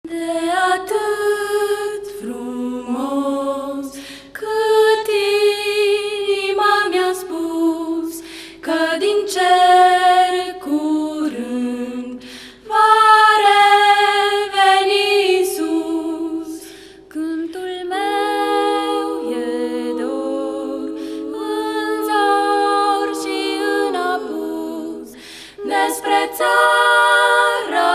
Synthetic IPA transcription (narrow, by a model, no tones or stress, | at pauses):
d̪ɛat̪ɨ | t̪fɾumo | s | kʰət̪i | imamjaspus | kəd̪int͡ʃɛ | ɾkuɾɨ | vaɾɛ | venisu | s | kɨnt̪ulme | wjed̪oɡɨnzo | ɾʃiɨnabuz | d̪espɾet͡sa | ɾə